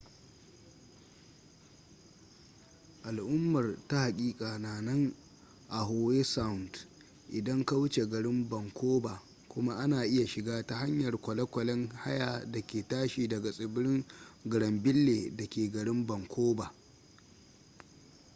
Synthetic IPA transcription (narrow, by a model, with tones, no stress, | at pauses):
ʔa˨lʔʊ˦mːɐ˨rta˦ha˨kʲʼiː˦kʼaː˨naː˨nɐ˦ŋ | ʔa˨ɦoː˨weː˦sa˦wʊ˨nt | ʔɪ˨dɐ˦ŋka˦wʊ˦t͡ʃe˨ɡɐ˨ɽɪ˦mbɐ˨ŋkʷʰoː˦baː˨ | kʷʊ˦ma˦ʔa˦naː˨ʔɪ˦ja˨ʃɪ˨ɡaː˦ta˦ɦa˦ɲjɐ˨rkʷɐ˨lɐ˦kʷɐ˨lɛ˦ŋha̰˦jaː˨dɐ˨kʲeː˨taː˦ʃiː˨dɐ˨ɡa˨sʼɪ˨bɪ˦ɽɪ˦ŋɡɪ˨ɽɐ˨mbɪ˦lːeː˨dɐ˨kʲeː˨ɡɐ˨ɽɪ˦mbɐ˨ŋkʷʰoː˦baː˨